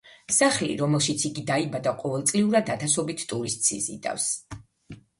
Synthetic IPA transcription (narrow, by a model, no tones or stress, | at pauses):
saχlḭɾɔmɛlˠʃit̪sʰiɡid̪aibad̪aqʼɔvɛlˠt̪sʼliuɾad̪at̪ʰasɔbit̪ʰt̪ʼuɾist̪ʼsḭzḭd̪a̰fs